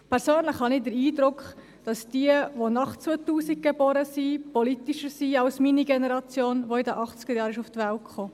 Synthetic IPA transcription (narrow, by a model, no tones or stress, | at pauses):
pʰɛɾsøːnlɪχhɑniːdəɾiːdɾʊkχ | d̥ɑsd̥iəʋonɑχt͡sʋot̪uːsiɡ̚ɡ̥ebɔːɾəsipɔlit̪iʃəɾsiɑwsminiɡenɛɾɑt͡sjoːnʋoɪdəʔɑχt͡sɡ̥əɾjɑːɾɪʃuft̪ʋæltkχoː